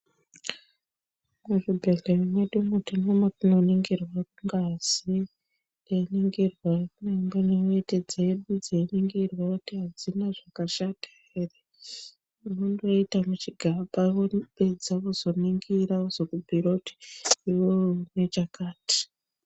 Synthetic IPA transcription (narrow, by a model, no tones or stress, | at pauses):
muʐibʱeɮerimweɗumutinomotinoniŋɡirwaruŋɡazi | einiŋɡirwanemboneoted͡zeɗud͡zeiniŋɡirwakutiɦad͡zinaʐakaʃatḁ | ere | unondoitamut͡ʃiɡʱaɓaʋoɓe̞d͡zaʋozo̞niŋɡiɾaoz̥okubʱiɾoti̥iwone̞t͡ʃakaːti̥